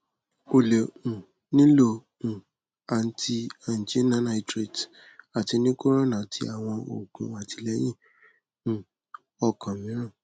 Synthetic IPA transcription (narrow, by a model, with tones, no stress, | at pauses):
o˨le˨ũ˨ | nĩ˦lo˦˧ | ũ˨ | a˨n̩˦tʰi˧a˨n̩˨d͡ʒe˨˦nã˦na˧i˦tɾe˨d | a˨ti˧nĩ˦ko˦ɾ̃o˦nã˨tʰi˧˦a˨w̃ɔ̃˧ʔo̰˨ɡṵ̃˨˦a˨tʰi˧˦lɛ˨˦j̃ĩ˦˨ | ɔ˧˨kʰã˨mĩ˨˦ɾ̃ã˦˨